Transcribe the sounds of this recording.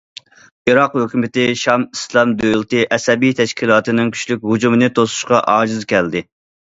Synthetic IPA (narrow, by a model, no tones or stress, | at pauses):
iɾɑqhøkʲymɪt̪ɪʃɑmislˠɑmd̪øjlˠt̪ɨʔɛsɛbijt̪ʰɛʃkʲʰilˠɑːt̪ɨnɨŋkʲʰy̥ʃlykʲhud͡ʒumɨnɨt̪ʰosu̥ʃqɑʔɑːd͡ʒɨzkʲɛld̪ɪ